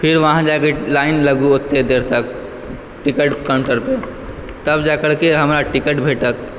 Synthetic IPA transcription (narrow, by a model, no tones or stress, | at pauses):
pʰɪɾʋɐɦãd͡ʒaːkelaːɪnlɐɡuot̪ːed̪eːɾt̪ək | ʈɪkəʈkə̃ɳʈəɾpe | t̪ɐbd͡ʒaːkəɾkeɦɐmɾaʈɪkəʈbʱeːʈək